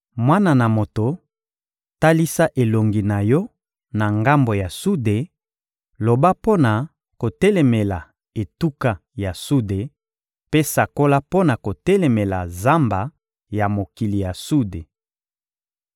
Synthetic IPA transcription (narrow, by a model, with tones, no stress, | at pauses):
mwa˦na˨na˨mo˨to˨ | ta˦li˦sa˦ʔe˨lo˨ŋɡi˨na˨jɔ˦ | na˨ŋɡa˦mbo˨ja˨su˦de˨ | lo˨ba˦po˦na˨ | ko˨tɛ˦lɛ˨me˨la˨ | e˨tu˦ka˦ | ja˨su˦de˨ | pe˦sa˨ko˦la˦po˦na˨ko˨tɛ˦lɛ˨mɛ˨la˨za˦mba˨ | ja˨mo˨ki˨li˨ja˨su˦de˨